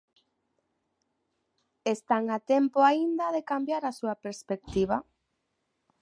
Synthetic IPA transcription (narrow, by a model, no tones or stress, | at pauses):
est̪aŋat̪empoaind̪ɐðekambjaɾasuapeɾspek̚t̪iβ̞a